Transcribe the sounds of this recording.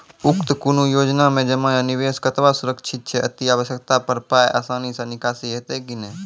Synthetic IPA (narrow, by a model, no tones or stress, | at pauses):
ʊkt̪kunujoːd͡ʒnamẽd͡ʒəmãniʋeskət̪ʋasuɾəkt͡ʃʰit̪̚t͡ʃʰɛə̰t̪iaʋəsjək̚t̪apəɾpajʔa̰ːsaːnisə̃nikaːsiɦet̪ekine